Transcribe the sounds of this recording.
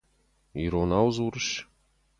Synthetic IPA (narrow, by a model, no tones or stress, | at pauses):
iɾonɑwzuɾə̆ʃ